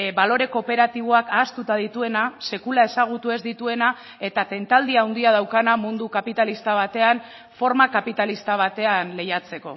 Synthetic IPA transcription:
balo̞ɾe̞ko̞pe̞ɾat̪iβ̞oakaːst̪ut̪aðit̪ue̞nase̞kulae̞saɣ̞ut̪ue̞zd̪it̪ue̞na | e̞t̪at̪e̞nt̪ald̪iawnd̪iað̞awkanamund̪ukapit̪alist̪aβ̞at̪e̞an | fo̞ɾmakapit̪alist̪aβ̞at̪e̞anle̞jat͡se̞ko̞̰

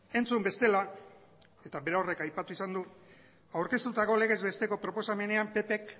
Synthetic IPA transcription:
e̞nt͡sumbe̞st̪e̞la | e̞t̪aβe̞ɾore̞kajpat̪uisand̪u | awɾke̞st̪ut̪ako̞le̞ɣe̞zβe̞st̪e̞ko̞pɾo̞po̞same̞ne̞ampe̞pe̞k

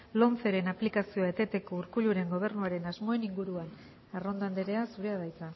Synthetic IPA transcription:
lo̞nfe̞ɾe̞naplikasio̞aet̪e̞t̪e̞ko̞uɾkuʎuɾe̞ŋɡo̞β̞e̞ɾnuaɾe̞nazmo̞e̞niŋɡuɾuan | aro̞nd̪and̪eɾe̞asuɾe̞aðajt͡sa

